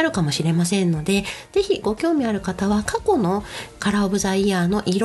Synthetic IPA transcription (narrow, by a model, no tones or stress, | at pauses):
ɾɯ̟kamo̞ɕiɾe̞masẽ̞nːo̞d̪e̞z̥e̞çiɡ̥o̞kʲo̞ːmʲiaɾɯ̟kat̪aβakako̞no̞kaɾaobɯ̟zaiaːno̞ʔiɾ